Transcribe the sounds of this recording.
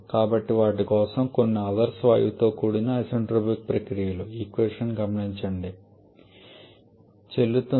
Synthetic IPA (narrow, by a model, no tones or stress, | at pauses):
kaːbɐʈːiʋaːʈ̬ːikoːsɐmkonːuɐd̪ɐɾsʋaːjut̪o̞ːkuɽinɐɐseɳɖɾobik̚pɾɐkɾijɐluiːkʋeʂɐnɡɐmɐɳiɲt͡ʃɐɳɖi | t͡ʃelːut̪ːu